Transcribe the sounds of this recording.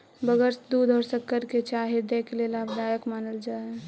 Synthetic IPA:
bəɡəɾsd̪ud̪ʱɔɾsəkːəɾket͡ʃaːɦed̪eklelaːbd̪aːjəkmaːnəld͡ʒaː

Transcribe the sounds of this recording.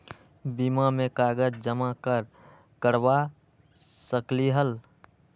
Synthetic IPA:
bimamekaɡəd͡ʒd͡ʒəmakəɾ | kəɾba | səkliɦəl

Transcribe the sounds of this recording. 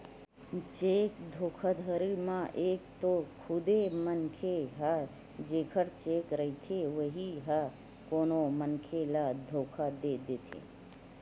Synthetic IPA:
t͡ʃeːkd̪ʱoːkʰad̪ʱəɾimãʔeːkt̪okʰʊd̪emənkʰeɦa | d͡ʒeːkʰəɾt͡ʃeːkɾəɦit̪ʰeʋəɦiɦa | koːnomənkʰelad̪ʱoːkʰad̪eːd̪eːt̪ʰḛː

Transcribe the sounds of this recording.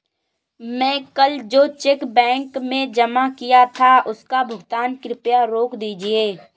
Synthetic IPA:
mɛ̃ːkəld͡ʒoːt͡ʃekbɛ̃ːŋkmẽd͡ʒəmakijat̪ʰaʊskabʱʊɡt̪aːnkɾɪpjaɾoːkd̪iːd͡ʒieː

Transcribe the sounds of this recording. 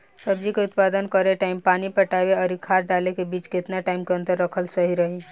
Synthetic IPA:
səbd͡ʒikeʊt̪paːd̪ənkəɾeʈaːɪmpaːnipɐʈaːʋeɔːɾikʰaːɾɖaːlekebiːt͡ʃkɪt̪naʈaːɪmkeɐ̃nt̪əɾːəkʰəlsəɦiɾɐɦi

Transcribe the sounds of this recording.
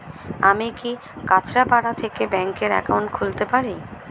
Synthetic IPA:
amiki | kat͡ɕʰɾapaɽat̪ʰekebɛŋkeɾɛ̰kawɳʈkʰult̪epaɾi

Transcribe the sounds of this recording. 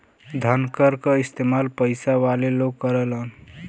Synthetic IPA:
d̪ʱənkəɾkʌist̪emalpəjsaʋaleloɡkːəɾelən

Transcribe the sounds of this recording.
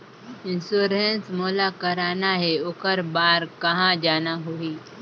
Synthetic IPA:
ɪ̃nsuːɾensmoːlakəɾaːnaɦɛʊkəɾbaːɾkɐɦãd͡ʒaːnaɦuiː

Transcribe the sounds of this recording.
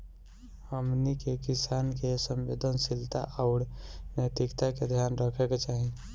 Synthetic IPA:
həmnikekisankesəmʋḛːd̪ʱənsilt̪a̰ʔaʊɾnəjt̪ikt̪aked̪ʱjaːnɾəkʰeket͡ʃaːɦi

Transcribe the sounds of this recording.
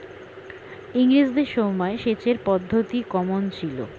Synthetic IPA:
iŋɾid͡ʑd̪eɾʃɔmɔeʃet͡ɕeɾpɔd̪ʱːot̪ikɔmont͡ɕʰilo̰

